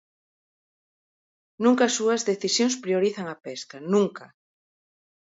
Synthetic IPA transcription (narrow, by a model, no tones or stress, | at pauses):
nũŋkaːsːuɐzðeθisjoŋspɾioɾiθaŋɐpeskɐnũŋka